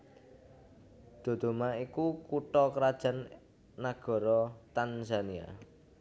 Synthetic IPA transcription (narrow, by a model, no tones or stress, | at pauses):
d̪̥o̤d̪̥o̤maikukuʈɔkəɾad̥ʒ̥a̤nː | aɡ̥ɔ̤ɾɔt̪anzania̰